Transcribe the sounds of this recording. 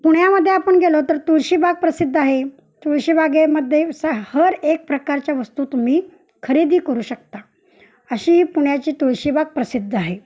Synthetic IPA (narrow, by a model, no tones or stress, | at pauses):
puɽjaməd̪ʱːjeapəɳɡʱelot̪əɾt̪uɾɕiːbʱaɡ̚pɾəsid̪ʱːaɦe | t̪uɭɕiːbaɡeməd̪ʱːjesəhəɾek̚pɾəkaɾt͡ɕjaʋəst̪uːt̪umiː | kʰəɾid̪ʱiːkəɾuːɕək̚t̪a | əɕiːɦiːpuɽjat͡ɕiːt̪uɭɕiːbʱaɡ̚pɾəsid̪ʱːaɦe